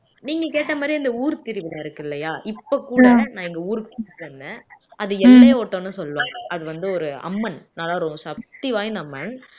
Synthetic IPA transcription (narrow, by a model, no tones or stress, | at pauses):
niːŋɡɐkeːʈːɐmaːd̪ɾiɪnd̪ɐuːɾt̪ɪɾɯʋɪlɐːɪɾɯkːɯɪlːɐjaːʔɪpːokːuːɽɐnãːɛŋɡɐuːɾɯkːkːɾɐnd̪ɛ̃ːʔɐðɯɛpːlɐjeɔʈːõːnːɯsɔlːʋõːɐðɯʋɐnd̪ɯɔɾɯɐ̰mːɐnnaːlːaːɾoːmɐsɐp̚t̪iʋaːjɪnd̪ɐɐmːɐn